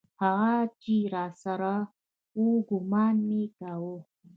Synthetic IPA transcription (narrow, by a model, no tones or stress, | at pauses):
haɣat͡ʃiɾɑsaɾa | uɡʊmɑːnmekawo